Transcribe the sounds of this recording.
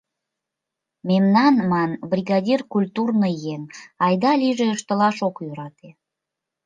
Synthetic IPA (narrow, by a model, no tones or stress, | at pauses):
memnɑnmɑnbrʲiɣɑd̪ʲirkulʲt̪urnəjenɑjd̪ɑlʲiʒeəʃt̪əlɑʃokjøɾɑt̪e